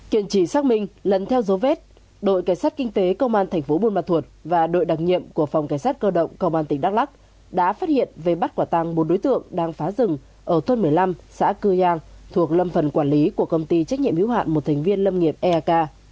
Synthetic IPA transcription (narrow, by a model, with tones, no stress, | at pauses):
ki˧˩ənt͡ɕi˧˩saː˦˥k̚mï˧ŋ̟lə˨˩nt̪ʰɛ˧wzo˨˦vɛ˦˥t̚ | ɗo̰˧˨jkaː˧˩jsaː˦˥t̚kï˧ŋ̟t̪e˨˦kə˧wŋ͡mʔaː˧nt̪ʰɛ˨˩jŋ̟fo˨˦ɓu˧nmaː˨˩t̪ʰu˨˩ət̚vaː˨˩ɗo̰˧˨jɗa˨˩k̚ɲḭ˧˨əmku˧˩əfa˨˩wŋ͡mka˧˩jsaː˦˥t̚kəː˧ɗə̰˧˨wŋ͡mkə˧wŋ͡mʔaː˧t̪ï˨˩ŋ̟ɗa˦˥k̚la˦˥k̚ | ɗa̰ː˧˥faː˦˥t̚hḭ˧˨ənve˨˩ɓa˦˥t̚kwaː˧˩t̪a˧ŋɓo˨˦nɗo˨˦jt̪ɨ̰˧˨əŋɗaː˧ŋfaː˨˦zɨ˨˩ŋ | ʔəː˧˩t̪ʰo˧nmɨ˨˩əjla˧msa̰ː˧˥kɨ˧zaː˧ŋt̪ʰu˨˩ək̚lə˧mfə˨˩nkwaː˧˩nli˨˦ku˧˩əkə˧wŋ͡mt̪i˧t͡ɕa˦˥k̚ɲḭ˧˨əhḭ˧˥wa̰ː˧˨nmo˨˩t̚t̪ʰɛ˨˩ŋ̟vi˧ənlə˧mŋi˨˩əp̚ʔɛ˧ʔaː˧kaː˧